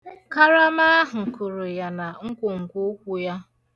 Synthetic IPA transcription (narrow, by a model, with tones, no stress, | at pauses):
ka˦ɾa˦ma˦ɦŋ̩˨kʊ˨ɾʊ˨ja˨na˨ŋ̩˦kʷʊ˨ŋ̩˨kʷu˦kʷu˦ja˦